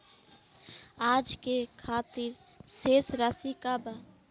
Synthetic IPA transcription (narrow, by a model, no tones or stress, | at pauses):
ad͡ʒkekʰat̪iɾ | sesɾasikaba